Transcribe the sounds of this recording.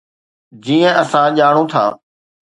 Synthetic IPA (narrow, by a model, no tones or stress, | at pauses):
d͡ʑiːə̃əsãʄaːɽ̃õːt̪ʰa̰ː